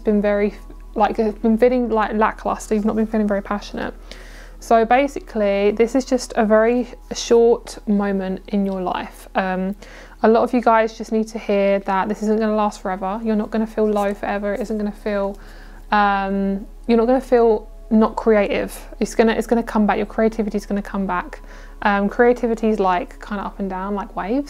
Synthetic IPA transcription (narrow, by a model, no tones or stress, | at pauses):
sb̥ɪ̃nvɛɹi | laɪkəbɪ̃nfɪɾɪ̃ŋlaɪkla̰ʔkʰl̥ɑ̰ˑsəjɨvnəʔ̚b̥ɪ̃nfilˠɪ̃ŋvɛɹipʰaʃənə̰t̚ | soʊbeɪsɪkʰliðɪsɪzd͡ʒʌstʰəvɛɹiʃɔˑtmə̃ʊ̃mə̃ntɪ̃njəla̰ɪfʔʌ̃m | əlɒtəvjəɡaɪzd͡ʒʌsniːd̚tʰəhɪəðəʔ̚ðɪsɪzə̃nɡ̥ʌnəlɑˑstfəɹɛvəjənəʔɡ̥ʌnəfiːlˠləʊfəɹɛvəɹɪtɪzə̃nɡ̥ʌnəfiːlˠ | ʌ̃m | jənəʔ̚ɡ̥ʌnəfiːlˠ | nəʔkʰɹ̥ieɪtɪ̰v̥ | ɪtsɡ̥ʌnəʔɪ̰tsɡ̥ʌnəkʰʌ̃mbakjə˞kʰɹ̥ieɪtʰɪvɪtizɡ̥ʌnəkʰʌ̃mbak | ʔʌ̃mkʰɹ̥ieɪtʰɪvɪtʰizlaɪkʰːãɪ̃ndəʌpə̃ndãʊ̃nlaɪkweɪvz̥